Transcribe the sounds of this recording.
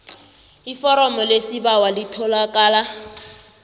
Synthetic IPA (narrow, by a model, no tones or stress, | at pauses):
ifɔɾɔmɔlesibawalitʰɔlakʼaːla